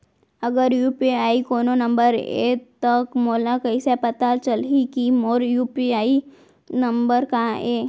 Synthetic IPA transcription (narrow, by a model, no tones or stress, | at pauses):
əɡəɾjuːpiaːikoːnonə̃mbəɾḛt̪ɐkmoːlãkɐisepət̪at͡ʃəlikimoːɾjuːpiaːi | nɐ̃mbəɾkaeː